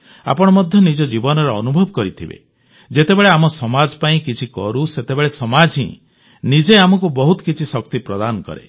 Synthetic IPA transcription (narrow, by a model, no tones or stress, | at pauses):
a̰pɔɽ̃ɔmɔd̪ʱjɔnid͡ʒɔd͡ʒibɔnɔɾɔɔnubʱɔbɔkɔɾit̪ʰibḛ | d͡ʒet̪ebeɭeamɔsɔmad͡ʒpaĩkit͡ʃʰikɔ̰ɾuset̪ebeɭesɔmad͡ʒʱḭ̃ | nid͡ʒeamɔkubɔɦut̪ɔ̥kit͡ʃʰisɔkt̪ipɾɔd̪anɔkɔ̰ɾḛ